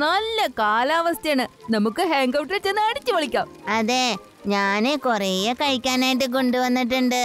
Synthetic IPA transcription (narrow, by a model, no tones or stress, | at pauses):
nɐlːɐkaːlaːʋɐst̪jaːɳɨnɐmukːɨɦeŋɡɐwʈret͡ɕːenːɨɐɽit͡ɕːɨʋɐɭikʲːaːmɐðe̞ː | ɲaːnekurejekɐɻikʲːaːnaːjiʈ̬ːɨk̬o̞ɳɖuʋɐnːiʈ̬ːuɳɖɨ